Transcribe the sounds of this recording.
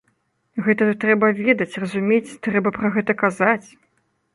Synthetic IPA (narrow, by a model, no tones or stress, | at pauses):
ɣɛt̪ɐt̪ɾɛbɐvʲɛd̪ɐt͡sʲrɐzumʲet͡sʲt̪ɾɛbɐpɾɐɣɛt̪ɐkazat͡sʲ